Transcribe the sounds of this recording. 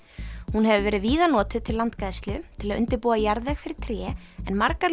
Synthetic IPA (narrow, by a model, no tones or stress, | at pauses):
hunɦɛvʏvɛːɾɪðviːðanɔːt̪ʏt̪ʰɪllant̪kɾajst̪lʏt̪ʰɪlaðʏ̰nt̪ɪɾpuːajaɾðɛxfɪɾɪ̥ɾ̥t̪ʰɾjɛː | ɛnmaɾkaɾ